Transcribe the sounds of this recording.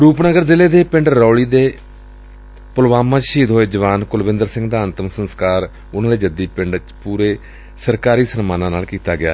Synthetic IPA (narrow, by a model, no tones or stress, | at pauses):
ɾuːpnəɡəɾzɪleːd̪eːpɪ̃ɳɖːɔːɭiːd̪eː | pʊlʋaːmãːt͡ʃʃiːd̪ɦoːeːd͡ʒəʋaːnkʊlʋɪ̃nd̪əɾsɪ̃ŋɡd̪aːnt̪əmsənskaːɾ | ʊnãːd̪eːd͡ʒəd̪iːpɪɳɖt͡ʃpuːɾeː | səɾkaːɾiːsənmaːnãːnaːlkiːt̪aːɡɪjaː